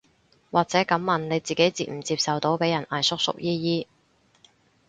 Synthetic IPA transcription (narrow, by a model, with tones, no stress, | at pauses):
waː˨k̚t͡sɛː˨˥kɐ˨˥mːɐ˨nne˨˧jt͡siː˨ke˨˥jt͡siː˧˩m̩˨˩t͡siː˧p̚sɐ˨wt̪o˨˥wpe˨˥jɐ˨˩nʔaː˨˩jsʊ˥k̚sʊ̰˥k̚jiː˥jiː˥